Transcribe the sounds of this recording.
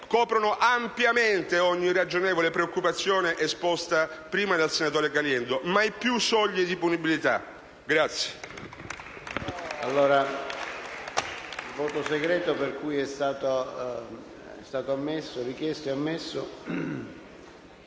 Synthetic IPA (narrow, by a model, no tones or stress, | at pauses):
kɔːpɾonoʔampjament̪eɔɲːirad͡ʒoneːvolepɾeokːupat̪sːjoːneʔɛspɔst̪apɾiːmad̪elsenat̪oːɾekaljɛnd̪omajpːjusɔʎːid̪ipunibilit̪a̰ | ɡɾat̪sːje̥ | alːoːɾa | lvoːt̪oseɡɾɛːt̪operkujɛst̪aːt̪o | ɛ̰st̪aːt̪oamːesːorikjɛst̪oamːesːo